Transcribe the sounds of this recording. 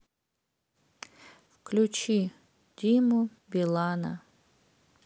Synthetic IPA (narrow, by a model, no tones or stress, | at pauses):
wklʲut͡ʃi | d̪ʲimubʲilˠana̰